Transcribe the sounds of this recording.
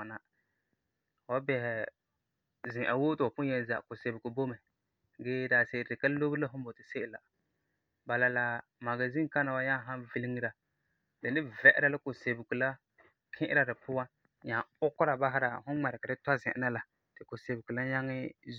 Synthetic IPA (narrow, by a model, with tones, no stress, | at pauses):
a˨na˨ | wa˦bɛ˨hɛ˨ | zɪ̃˨ʔa˨wo˦tɪ˨a˨pʊ˦jɛ˦˨n˦za̰˨ʔkʊ˨se˨bɪ˨ɡu˨bo˦mɛ˨ | ɡeː˦daː˨se˨ɪ˨dɪ˨ka˦lo˦bɨ˦la˦ɦʊ˦bo˨tɪ˨sɪ˦ʔɪ˨la˨ | ba˨la˨la˨ | ma˨ɡa˨zi˦ŋ˦ka˦na˨wa˦ɲa˦ɦa˦nvi˦lɪ˦ŋi˦ɾa˨ | dɛ˨nɪ˦vɛ˨ʔɪ˦ɾa˦˨lɪ˦kʊ˨se˨bɪ˨ɡu˨la˦ | kʰɪ̃˦ʔɪ˦ɾa˨dɪ˨pʊ˦wa˦ | ɲa˨ʊ˦kːʊ˦ɾa˨ba˦ɦɪ˦ɾa˨hʊ˦ŋ͡mɛ˨ɾɪ˨ka˨dɪ˦ta˦zɪ̃˨ʔɪ̰˦na˦la˨ | tɪ˨kʊ˨se˨bɪ˨ɡu˨la˦ɲa˦ŋɪ˦